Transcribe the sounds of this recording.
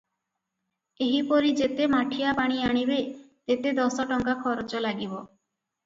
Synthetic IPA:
eɦipɔɾid͡ʒet̪emaʈʰijapaɽ̃iaɽ̃ibe | t̪et̪ed̪ɔsɔʈɔŋkakʰɔɾɔt͡ʃɔlaɡibɔ

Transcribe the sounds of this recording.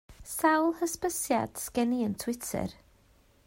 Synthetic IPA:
sawlˠhəspəsjad̥skɛniəntʰw̥ɪtʰɨ̰r

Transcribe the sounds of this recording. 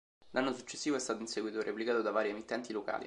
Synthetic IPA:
lʔanːosut͡ʃːesːiːvoɛst̪aːt̪oinseɡwiːt̪oɾʔeplikaːt̪od̪avaːɾiemit̪ːɛnt̪iloka̰ːlḭ

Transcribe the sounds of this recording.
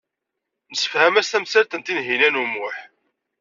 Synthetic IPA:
nəsə̥fhæmæst̪æmsæɾt̪ənt̪inɦinænumʊħ

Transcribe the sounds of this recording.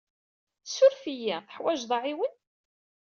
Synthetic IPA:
θsʊɾfijæθə̥ħwæʒðˤɑʕiwən

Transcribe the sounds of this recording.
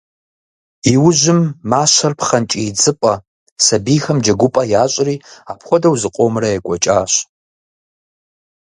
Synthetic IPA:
iwʊʑɪmːaːɕɐrpχɐnt͡ʃʼit͡sʼɨpʼɐ | sɐbiːxɐmd͡ʒɐɡʷʊpʼɐjaːɕʼɪriːaːpʰχʷɔdɐwzɨqʷʼomrɐjɛkʷʼɔt͡ʃʼaːɕ

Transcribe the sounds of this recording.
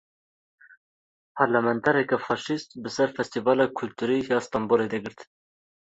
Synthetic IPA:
pʰɑɾlamɛnt̪ʰɛɾɛkɛfɑːʃist̪bɨsɛɾfɛst̪ivɑːlɑːkʰʊlt̪uɾiːjɑːst̪ɑːmboːled̪ɛɡɨɾt̪

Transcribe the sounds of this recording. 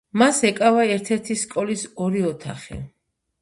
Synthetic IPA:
masɛkʼavaɛɾt̪ʰɛɾt̪ʰiskʼɔlisɔɾiɔt̪ʰa̰χḭ

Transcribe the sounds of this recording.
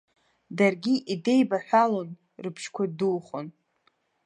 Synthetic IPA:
darɡʲiʔide̞jbaħʷᶣalo̞n | rɨpʰʃkʷʰadulχon

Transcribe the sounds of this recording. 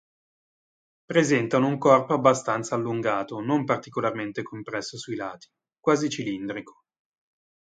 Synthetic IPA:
pɾezɛnt̪anouŋkɔrpoabːast̪ant̪saːlːuŋɡaːt̪onompart̪ikolarment̪ekʰompɾɛsːosuilaːt̪i̥ | kwaːzit͡ʃilind̪ɾikʰo̥

